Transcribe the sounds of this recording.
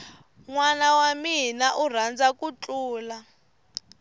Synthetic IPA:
ŋwanawaminaʔur̤and͡zakʼut͡ɬʼuːla

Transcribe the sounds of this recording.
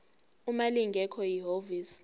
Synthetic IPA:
umaliŋɡʱɛkʰɔjiɦoviːs

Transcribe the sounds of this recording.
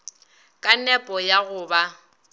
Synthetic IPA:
kʼanɛpʼɔjaɣʊːba

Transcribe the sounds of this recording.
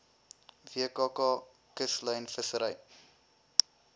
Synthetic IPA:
viəkɑːkɑː | kəsləjnfəsəɾəj

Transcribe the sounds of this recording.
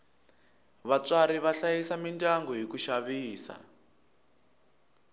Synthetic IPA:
βat͡saɾiβaɬajisamintʼaŋɡɔɦikuʃaβiːsa̰

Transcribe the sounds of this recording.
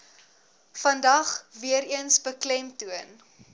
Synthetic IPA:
fɐndɐχviəɾiənsbəklɛmtuən

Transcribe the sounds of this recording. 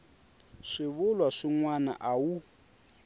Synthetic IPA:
ʂiβulwaʂiŋwana̰ʔawu

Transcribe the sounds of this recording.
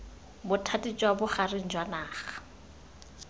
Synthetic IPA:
bʊtʰatʼit͡ʃʼwabʊχarɪŋ̩d͡ʒwanaːχḁ

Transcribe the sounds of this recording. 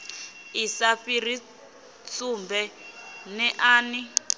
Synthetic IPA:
isaɸir̤i | t͡sumbɛnɛʔaːni

